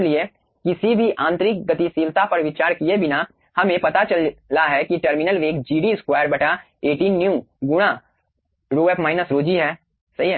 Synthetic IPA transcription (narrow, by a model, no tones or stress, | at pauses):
lie | kɪsibʱiʔãːnt̪ɾɪk̚ɡɐt̪isiːlt̪ʰapɐɾʋɪt͡ʃaːɾkiebʱɪna | hɐmẽpɐt̪at͡ʃɐlːaɦɛkiʈəɾmɪnəlʋeːkd͡ʒiːɖiskwaːjəɾbɛʈʰa | eːʈiːnːjũɡʊɽ̃a | ɾoːɛːpmaːɪnəsɾoːd͡ʒiɦɛː | sɐɦiɦ